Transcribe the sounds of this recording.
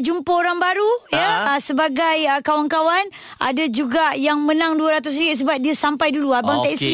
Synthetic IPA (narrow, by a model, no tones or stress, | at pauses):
d͡ʒumpəoɾaŋbaɾujəsəbaɡajəkawankawan | a̰dad͡ʒuɡajaŋmə̃nãŋduaɾat̪us̬niit̪̚s̬əbap̚diasampajduluabaŋt̪ɛsi